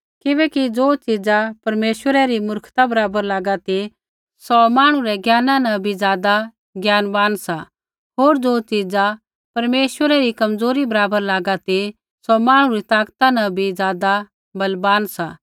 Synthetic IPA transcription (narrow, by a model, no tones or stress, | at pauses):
kɪbɛːkid͡zoːt͡ʃid͡zapɐɾmeːʃwəɾɛɾimʊɾkʰt̪abɐɾaːbəɾlaːɡat̪i | sɔmaːɽ̃ũɾɛɡjaːnãnɐ̃bʱizjaːd̪a | ɡjaːnbaːnsa | ɦoːɾd͡zoːt͡ʃid͡za | pɐɾmeːʃwəɾɛɾikɐmd͡zoːɾibɐɾaːbəɾlaːɡat̪i | sɔmaːɽ̃ũɾit̪aːkt̪anɐ̃bʱizjaːd̪a | bɐlbaːnsa